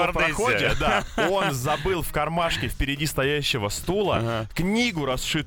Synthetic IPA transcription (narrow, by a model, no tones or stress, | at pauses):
dp̪xodʲɪd̪ao̞nzɐbɨlˠfkɐrmaʂkʲɪfpʲɪɾʲɪdʲist̪ɐjæɕːɪvəst̪ulˠə̰knʲiɡʊɾɐsʂɨ